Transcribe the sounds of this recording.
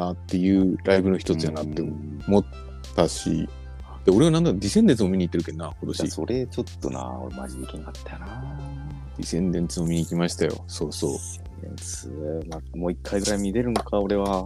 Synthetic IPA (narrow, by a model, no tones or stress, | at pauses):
nat̪ːe̞jɯ̟ːɾaibɯ̟no̞çi̥t̪o̞t͡sɨjanat̪ːe̞o | mo̞t̪ː | aɕḭ | d̪̥eo̞ɾe̞anãnd̪ad̪ʲisẽ̞nd̪ent͡sɨmo̞mʲiɲ̟it̪ːeɾɯ̟kenːako̞t̪o̞ɕaḭso̞ɾe̞t͡ɕo̞t̪ːo̰na̰oɾḛma̰ɾʲid̪ekʲinakat̪ːajana | d̪̥ʲisẽ̞nd̪ẽ̞nt͡sɨmomʲiɲ̟iːkʲimaɕi̥t̪ajo̞̰so̞ːso̞̰ː | ḛsɨomamoːikʰːaiɡɯ̟ɾaimʲid̪e̞ɾɯ̟nokʰao̞ɾe̞βa